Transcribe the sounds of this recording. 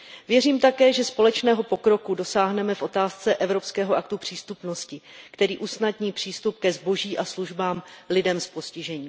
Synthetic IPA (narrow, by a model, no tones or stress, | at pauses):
vjɛriːmt̪akɛːʒɛspo̞lɛt͡ʃnɛːɦo̞po̞kɾo̞kudo̞saːɦnɛmɛfʔo̞t̪aːst͡sɛʔɛvɾo̞pskɛːɦoʔakt̪upr̝̥iːst̪upno̞scɪkt̪ɛɾiːʔusnadɲiːpr̥iːst̪up̚kɛzbo̞ʒiːʔasluʒbaːmlɪdɛmspo̞scɪʒɛɲiː